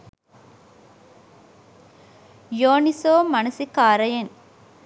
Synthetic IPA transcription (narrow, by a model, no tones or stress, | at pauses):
joːnisoːmɐnɐsikaːɾɐjɐn